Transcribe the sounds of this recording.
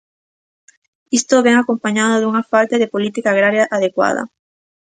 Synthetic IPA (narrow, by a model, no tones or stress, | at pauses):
ist̪oβeŋakompaɲaðoðuŋafalt̪eðepolit̪ikaːɣɾaɾjaʔaðekwa̰ðɐ̰